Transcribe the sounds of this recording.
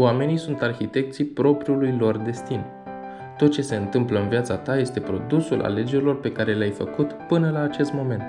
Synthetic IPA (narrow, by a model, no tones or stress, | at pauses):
wame̞nijsunt̪arxit̪e̞k̚t̪sijpɾo̞pɾijulujlo̞rd̪e̞st̪in | t̪o̞t̪̚t͡ʃe̞se̞ɨnt̪ɨmpləɨnviat̪sat̪aje̞st̪e̞pɾo̞d̪usulʔa̰le̞d͡ʒe̞ɾilo̞rpe̞kaɾe̞leajfəkut̪pɨnəlaːt͡ʃe̞st̪mo̞me̞nt̪